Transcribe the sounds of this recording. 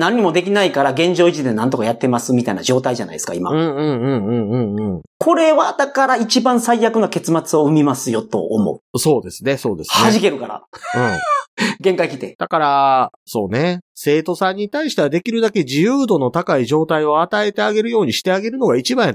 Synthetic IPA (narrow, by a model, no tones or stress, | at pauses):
nãɲ̟ːimo̞d̪e̞k̬ʲinaikaɾaɡẽ̞ɲ̟d͡ʑo̞ːit͡ɕid̪e̞nãnt̪o̞kajat̪ːe̞masɨmʲit̪ainad͡ʑo̞ːt̪aiʑana̰id̪sɨ̥kaima̰ɯ̟̃ːɴɯ̟̃ɴɯ̟̃ːɴɯ̟̃ɴɯ̟̃ɴɯ̃ɴkʰo̞ɾe̞βad̪akaɾait͡ɕibãɰ̃saijakɯnake̞t͡sɨmat͡sɨo̞ɯ̟mʲimasɨjo̞t̪o̞̰ːmo̰ɯso̞ːd̪e̞sɨne̞so̞ːd̪e̞sɨhneaʑike̞ɾɯ̟kaɾa̰ɯ̟̃ɴɡẽŋkaikʲi̥t̪e̞d̪̥akaɾa | so̞ːne̞se̞ːt̪o̞sãɲ̟ːit̪aiɕi̥t̪eβad̪e̞kʲiɾɯ̟d̪ake̞ʑijɯːd̪o̞no̞t̪akaiʑo̞ːt̪aio̞at̪ae̞t̪e̞aɡe̞ɾɯ̟jo̞ːɲ̟iɕi̥t̪e̞aɡe̞ɾɯ̟no̞ɡait͡ɕibaĩ